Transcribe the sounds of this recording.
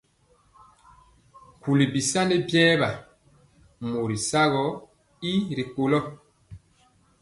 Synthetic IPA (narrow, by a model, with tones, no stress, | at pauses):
ku˨li˨bi˨sa˦ne˦bjɛː˦βa˨ | mo˨ɾi˨sa˦ɣɔ˨˦ | i˦ɾi˨ko˨lɔ˦